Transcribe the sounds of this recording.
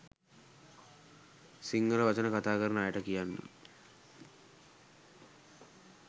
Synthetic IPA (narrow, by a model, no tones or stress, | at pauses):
siŋɡələʋat͡ʃənəkat̪aːkəɾənəajəʈəkijanːə̰